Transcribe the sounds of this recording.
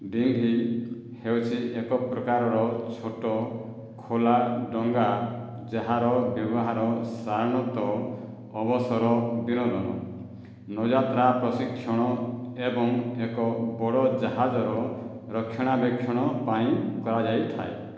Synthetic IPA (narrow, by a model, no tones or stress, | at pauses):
ɖiŋɡʱi | hewt͡ʃʰiekɔpɾɔkaɾɔɾɔt͡ʃʰoʈɔ | kʰolaɖɔŋɡa | d͡ʒaɦaɾɔbjɔbɔɦaɾɔsaɾɽ̃ɔt̪ɔː | bɔsɔɾɔd̪inɔd̪ɔnɔ | nɔd͡ʒat̪ɾapɾɔsikʰːɔɽ̃ɔebɔŋekɔbɔɽɔd͡ʒaɦad͡ʒɔɾɔ | ɾɔkʰːjɔɽ̃abekʰjɔɽ̃ɔpaĩkɔɾad͡ʒajt̪ʰa̰e